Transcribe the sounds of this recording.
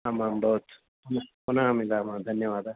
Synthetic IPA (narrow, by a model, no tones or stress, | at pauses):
ɐmãːmbɐɦut̪ | pʊnamɪlaːmãd̪ʱɐnjəʋaːd̪a